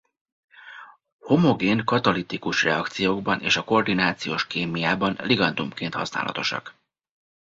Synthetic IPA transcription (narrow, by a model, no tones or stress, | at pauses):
ho̞mo̞ɡeːnkɒt̪ɒlit̪ikuʃrɛɒkt̪sijoːɡbɒnʔḛːʃɒko̞rd̪inaːt̪sijoːʃkeːmijaːbɒnliɡɒnd̪umkeːnt̪hɒ̰sna̰ːlʔɒ̰t̪o̞ʃɒ̰k